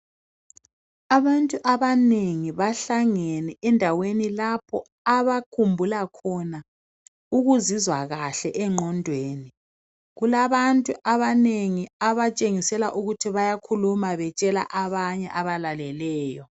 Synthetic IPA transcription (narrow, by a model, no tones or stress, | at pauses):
aβantʼuʔaβaneŋiβaɬaŋɛnɛɛndʱawenilapʰɔ | aβakʰumbʱulakʰɔna | uɣuzizwaɣaɬɛʔɛŋ͡ǃʱɔndʱweːni | ɣulaβantʼuʔaβaneŋiaβat͡ʃʼeŋisɛlaʔuɣutʰiβajakʰulumaβɛt͡ʃʼɛla̰ʔaβaɲɛ̰ʔaβalalɛlɛːjɔ